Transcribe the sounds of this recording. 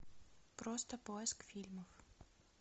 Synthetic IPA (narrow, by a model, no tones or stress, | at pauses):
pɾost̪əpoɛskfʲilʲməf